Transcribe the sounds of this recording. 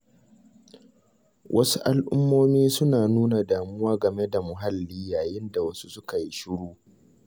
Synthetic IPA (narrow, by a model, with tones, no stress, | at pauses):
wʔɐ˦su˦ʔa˦lʔʊ˦mːoː˦miː˦sʊ˦naː˨nuː˦na˨daː˨mʊ˦waː˦ɡɐ˨me˦da˨mʊ˨ɦa˦lːiː˦jaː˨jɪ˦nda˨wɐ˦su˦sʊ˦ka˨ji˦ʃɪ˦ɽuː˦